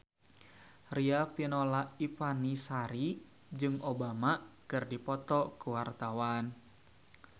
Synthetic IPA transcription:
riafinolaifanisaɾi | d͡ʒɨŋobamakɨrdipɔt̪ɔkuwart̪awan

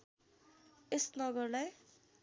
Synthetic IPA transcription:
esnʌɡʌrlaj

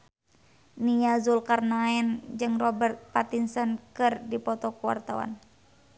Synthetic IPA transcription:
nijazulkarnaɛnd͡ʒɨŋrɔbɛrt̪̚pat̪insənkɨrdipɔt̪ɔkuwa̰rt̪awa̰n

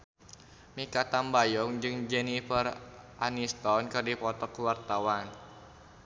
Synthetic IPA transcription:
mikat̪ambajɔŋd͡ʒɨŋd͡ʒenifərʔanist̪ɔnkɨrdipɔt̪ɔkwart̪awan

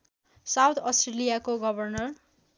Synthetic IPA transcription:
sawt̪ʰʌstrelijakoɡʌbʱʌrnʌr

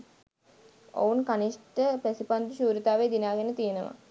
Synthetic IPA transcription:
o̰unkaniʂʈəpɾɐsipand̪uɕuːɾit̪aːʋed̪inaːɡenət̪ijenəʋa̰

